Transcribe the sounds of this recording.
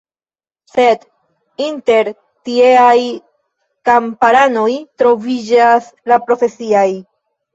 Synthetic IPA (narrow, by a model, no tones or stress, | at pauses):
se̞d | inte̞ɾ | tie̞aj | kampaɾano̞jtɾo̞vid͡ʒaslapɾo̞fe̞siaj